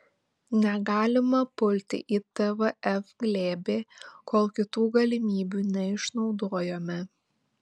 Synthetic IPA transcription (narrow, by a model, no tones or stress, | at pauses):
nʲɛɡɑːlʲɪmɐpʊlʲt̪ʲɪ̰ʔit̪ɛʋɐɛfɡlʲeːbʲeːkoːlˠkʲɪt̪uːɡɐlʲɪmʲiːbʲuːnʲɛɪʃnɒʊd̪oːjoːmʲɛ